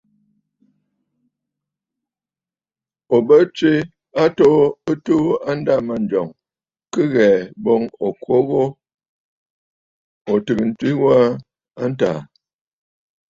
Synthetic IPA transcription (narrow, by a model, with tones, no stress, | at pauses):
o˨bə˦t͡ʃi˦ | a˦to˦ə˦tu˦a˦n˦da˦˨ma˨n˨d͡ʒɔ˨ŋ | kə˦ɣɛː˨bo˦ŋo˨kʰwo˦ɣo˦ | o˨tɨ˨ɡə˨n̩˨twi˦wa˦ | a˦n˦ta̰ː˨